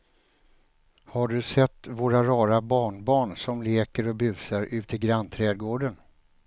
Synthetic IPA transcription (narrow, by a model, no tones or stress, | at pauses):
haɖɵsɛt̪ːvoːɾaɾɑːɾabɑːɳbɑːɳsɔmleːkəɾɔbʉ̟ːsaɾʉ̟ːt̪ʰɪɡɾant̪ʰɾɛːd̪̚ɡoːɖən